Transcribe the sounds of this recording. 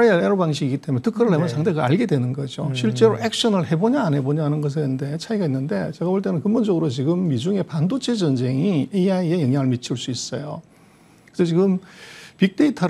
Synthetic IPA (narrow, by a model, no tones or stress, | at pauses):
aeeɾobaŋɕ̬ʰiɡiɡit͈emunetʰɯkʰɯɾɯɭɦemʌnsʰaŋtdʰeɡaaɭɡe̞dwe̞nɯnɡʌd͡ʑoɕʰiɭt͡ɕ͈e̞ɾoʔek̚ɕʌnɯɭhe̞boɲaːnɦe̞boɲaɦanɯnɡʌs̬ʰɯnnde̞t͡ɕʰaiɡainːɯnde̞t͡ɕeɡaoɭt͈enɯnkɯnbond͡ʑʌɡɯɾot͡ɕiɡɯmːid͡ʑuŋe̞pandot͡ɕʰe̞d͡ʑʌnd͡ʑe̞ŋieiaiejʌŋɦjaŋɯɭmit͡ɕʰɯɭs͈uis͈ʌjo | kɯsʰʌt͡ɕiɡɯmpik̚t͈e̞itʰʌ